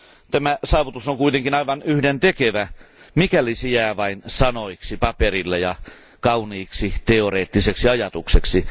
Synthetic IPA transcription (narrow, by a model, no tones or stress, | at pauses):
t̪æmæsɑːʋut̪usoŋkuit̪eŋkinɑiʋɑnyhdent̪ekeʋæmikælisejæːʋɑinsɑnoiksipɑperilːejɑ | kɑuniːksit̪eoreːt̪ːiseksiɑjɑt̪ukseksi